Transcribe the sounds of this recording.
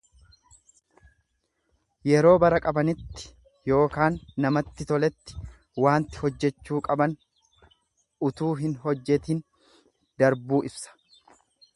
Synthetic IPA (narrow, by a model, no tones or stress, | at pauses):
jɛɾo̞ːbɐɾɐkʼɐbɐnɪt̪ːɪ̥ | jo̞ːkaːnːɐmɐt̪ːɪt̪ɔlɛt̪ːɪ̥ | waːnt̪ɪ̥hɔd͡ʒːɛt͡ʃːuːkʼɐbɐn | ʔʊt̪uːɦɪnɦɔd͡ʒːɛt̪iːn | d̪ɐɾbuːʔɪbsɐ̥